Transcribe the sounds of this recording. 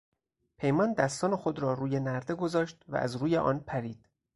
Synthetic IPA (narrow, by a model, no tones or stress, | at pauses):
pʰejmɒːnd̪æst̪ɒːne̞xod̪ɾɒːɾuːje̞næɾd̪e̞ɡo̞zɒːʃt̪væ̰ʔæ̰zɾuːjeʔɒ̰ːnpʰæɾiːd̪̥